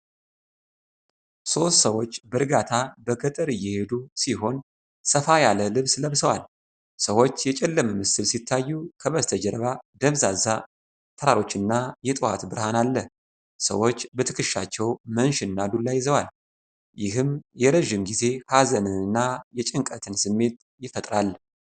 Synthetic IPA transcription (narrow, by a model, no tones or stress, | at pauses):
so̞st̪səwo̞t͡ʃːbəɾɡat̪ʰabəɡət̪ʼəɾɨjːɛhe̞d̪usiɦo̞n | səfajaləlɨβsləβsəwa̰l | səwo̞t͡ʃːjɛt͡ʃʼɛlːəməmɨsɨlsit̪ʰːajːukʰəβəst̪ʰəd͡ʒɛɾβad̪əβzaza | t̪ʰəɾaɾo̞t͡ʃːɨnːajɛt̪ʼɨha̰t̪bɨɾhanalːəh | sə̰wo̞t͡ʃːbət̪ʰɨkʰɨʃːa̰t͡ʃːɛwmənʃɪnːad̪ulːajːɪzəwal | jɪɦɨmjɛɾəʒːɪmɡize̞hazənɨɨnːajɛt͡ʃʼɨŋkʼət̪ʰɨnsɨmːe̞t̪̚ | jɪfət̪ʼɾal